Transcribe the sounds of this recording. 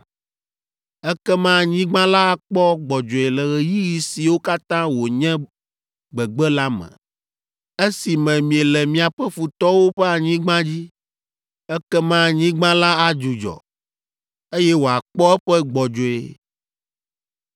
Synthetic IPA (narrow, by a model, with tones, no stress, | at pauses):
ɛ˦kɛ˦mã˦˨ɲĩ˦ɡ͡bã˦la˦a˦˨k͡pɔ˦ɡ͡bɔ˨d͡ʒo˨e˨lɛ˨ɣɛ˨ji˦ji˨si˨wo˦ka˦t̪ã˦wo˨ɲɛ̃˦ | ɡ͡bɛ˨ɡ͡bɛ˦la˦mɛ̰̃˨ | e˦si˨mɛ̃˨mĩ˨e˨lɛ˨mĩ˨a˨ɸɛ˦fu˨t̪ɔ˦wo˦ɸɛ˦a˨ɲĩ˦ɡ͡bã˦d͡ʑi˦ | ɛ˦kɛ˦mã˦˨ɲĩ˦ɡ͡bã˦la˦a˨d͡ʒu˨d͡ʒɔ̰˨ | e˦jɛ˦wo˨a˨k͡pɔ˦ɛ˦ɸɛ˦ɡ͡bɔ˨d͡ʒo˨ḛ˨